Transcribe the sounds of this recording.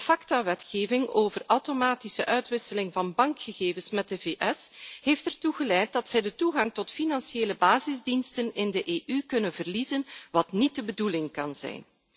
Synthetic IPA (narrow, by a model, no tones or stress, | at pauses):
əfɑktaʋɛtxeːvɪŋoːvərʔɐwtomaːtisəʔœɥtʋɪsəlɪŋvɑnbɑŋkxəɣeːvənsmɛt̚dəveːʔɛsɦeːftɛrtuɣəlɛjt̚dɑtsɛjdətuɣɑŋtɔtfinɑnsieːləbaːzɪzdinstənɪndəʔeːʔykɵnənvərlizənʋɑtnit̚dəbədulɪŋkɑnzɛ̰jn